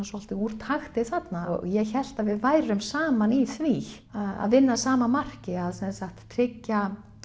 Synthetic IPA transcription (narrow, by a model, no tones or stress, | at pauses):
sɔal̥t̪ɪuɾ̥t̪ʰaxt̪ɪθat̪najɛçɛl̥t̪avɪðvaːjɾʏmsaːmaniθvi | a̰ðvɪnːasaːmamar̥cɪaðsɛnsaxt̪ːʰɾɪcːa